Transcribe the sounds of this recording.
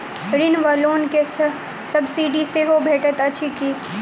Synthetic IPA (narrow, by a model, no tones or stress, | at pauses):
ɾɪnʋaloːnkes | sɐbsiːɖiseɦobʱeːʈət̪ɐt͡ʃʰikiː